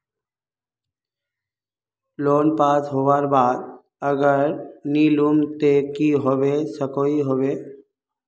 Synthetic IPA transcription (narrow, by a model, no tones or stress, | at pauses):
loːnpaːsɦoʋaɾbaːd̪ | əɡəɾnilumt̪ekiɦoʋesəkoiɦoʋe